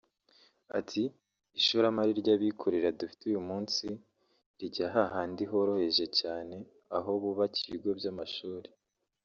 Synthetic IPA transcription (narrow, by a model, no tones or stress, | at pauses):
a̰tʰiː | ʃuɾamaɾiɾɟaβikʰoɾeɾadufi̥tujumuːnsi | ɾiɟaɦaɦaːndiɦo̞ɾo̞he̞ʒe̞caːne̞ | aɦo̞βuβaciiɡo̞bɟamaʃuːɾe